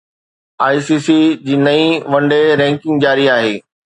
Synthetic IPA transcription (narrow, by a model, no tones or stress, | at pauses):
aːisiːsid͡ʑiːnɐĩʋɐ̃ɳɖeɾɛ̃ːŋkɪ̃ŋɡd͡ʑaːɾiaːɦeː